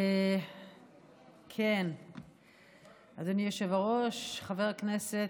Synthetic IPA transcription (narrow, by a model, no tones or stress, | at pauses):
e | kʰen | ad̪onieʃevaʁoʃχaveʁaknese